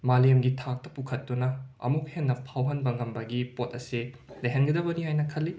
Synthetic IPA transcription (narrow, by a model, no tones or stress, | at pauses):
malijemɡitʰak̚tɐpukʰɐtːunɐɐ̰muk̚henːɐpʰawɦɐnbɐŋɡɐmbɐɡipotɐsi | leɦɐnɡɐdɐbɐniɦajnɐkʰɐlːi